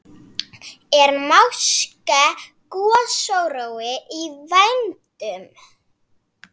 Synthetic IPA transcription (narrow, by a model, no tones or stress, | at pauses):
ɛɾmawska | kɔɔsowɾowɪʔivajnt̪ʏm